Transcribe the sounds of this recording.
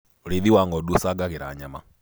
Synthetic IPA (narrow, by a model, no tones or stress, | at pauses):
ɾiðiwaŋɡɔɗusaɡaɣɛɾa̰ɲama